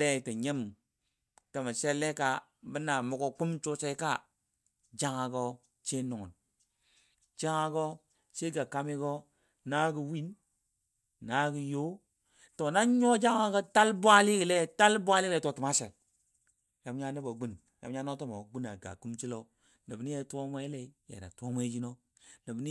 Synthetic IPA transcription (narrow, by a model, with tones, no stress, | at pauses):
le˦˨ti˨ɲe˦m | to˨ma˨se˦le˦ka˦ | bi˦na˨mu˨˦ko˦ku˦mt͡ʃo˦se˦i˦ka˦ | d͡ʒa˦ŋa˨ɡo˦ | t͡ʃe˦nu˨ŋu˨n | d͡ʒa˦ŋa˨ɡo˦ | t͡ʃe˦ɡa˨ka˨mi˦ɡo˦ | na˦ɡi˨wi˦n | na˦ɡi˨jo˦ | to˨na˦ɲo˦d͡ʒa˦ŋa˦ɡo˦ta˦lbʷa˦li˦ki˨le˦ta˦lbʷa˦li˦le˦to˨ti˨ma˦sḛ˨ | ja˨˦mɲa˦ni˦bo˨ɡu˦n | ja̰˨˦ɲa˦no˦to˦mo˨ɡu˦na̰˨ɡa̰˨ku˦mt͡ʃi˦lo˦ | nə˨bni˦je˦to˦ŋʷe˦le˨i˦jḛ˨ɾa̰˨tʷo˦mʷe˦d͡ʒi˦no˦ | nə˨bni˦